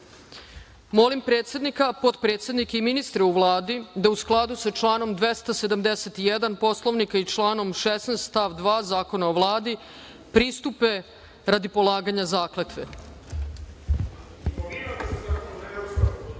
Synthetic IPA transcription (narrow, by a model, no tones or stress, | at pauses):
mo̞limpɾet̪sjed̪nikapo̞t̪pɾe̞ːt̪sjed̪nikeiminist̪ɾeuʋlˠaːd̪id̪ausklˠad̪usat͡ʃlˠaːno̞md̪ʋest̪ased̪amd̪eset̪ijed̪anpo̞slˠo̞ʋnikait͡ʃlˠaːno̞mʃesnest̪t̪aʋd̪ʋaːzaːko̞naoʋlˠaːd̪i | pɾiːst̪upe̞ | ɾad̪ipo̞lˠaːɡaɲazaːklet̪ʋḛ